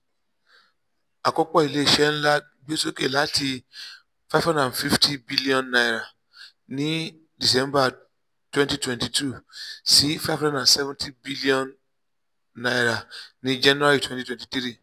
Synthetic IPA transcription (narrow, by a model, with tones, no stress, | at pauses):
a˨kɔ˦k͡pɔ˦˨i˨le˦i˨ʃɛ˦n̩˦la˦ | ɡ͡be˦so˦ke˦˨la˨˦ti˧ | fa˦fhã˦nã˨nfi˦ftʰi˦bi˦li˦ɔ̃˨nːa˨jɾa˨ | nĩ˦ | di˨s̬ɛ̃˦mba˦ | twɛ̃˦nti˦twɛ̃˦nti˨tʰu˦˨si˦fa˦vhã˦ndã˨n˨sɛ˦vɛ̃˦ntʰĩ˦bi˦li˦ɔ̃˦nː | a˦jɾa˨nĩ˦d͡ʒɛ˦n˦ɾa˦ɾi˦twɛ̃˦ti˦twɛ̃˨nti̥˨tɾi˦˨